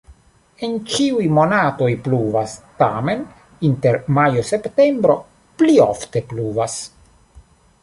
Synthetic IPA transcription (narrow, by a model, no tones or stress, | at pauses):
ent͡ʃiujmonat̪ojpluvast̪amen | int̪eɾmajosept̪embɾo | plio̰ft̪e̞pluvas